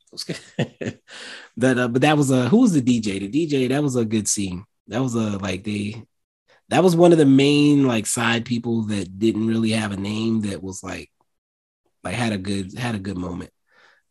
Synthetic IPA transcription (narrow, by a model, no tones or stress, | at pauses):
sɡ̥ | ðɨtʌbʌt̪̚ðɨt̚wʌzʌɦuwʌzðɨdid͡ʒeɪðɨdid͡ʒeɪðɨt̚wʌzəɡʊd̥sĩŋ | ðɨt̚wʌzəlaɪk̚ðeɪ | ðɨt̚wʌzwʌ̃nʌvðɨmẽɪ̃nlaɪksaɪd̚pʰipl̩ˠðɨt̚d̥ɪdⁿn̩t̚ɹɪlˠiɨvɨnẽɪ̃mðɨt̚wʌzla̰ɪk̚ | laɪkhɨɾɨɡʊd̥̚hɨɾɨɡʊd̚mõʊ̃mɨ̰̃nt̚